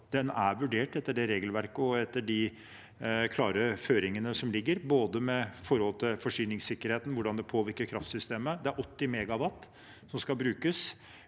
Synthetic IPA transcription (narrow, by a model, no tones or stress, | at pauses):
d̪̥ɛnæɾʋʉɖeːʈɛt̪ːəɖɛɾeːɡəlʋæɾkəɔɛt̪ːəɖɪ | kʰlɑːɾəføːɾɪŋənəsɔmlɪɡːəɾboːd̪əmɛfɔɾhɔlt̪ʰɪlfɔʂyːnɪŋsɪkːəɾheːt̪n̩ʋʊɖɑnd̪ɛpʰoːʋɪɾkəɾkʰɾɑft̪sʏst̪eːməd̪ɛæɾʔɔt̪ːɪmɛɡɑʋɑt̪ː | sɔmskɑlbɾʉːkəs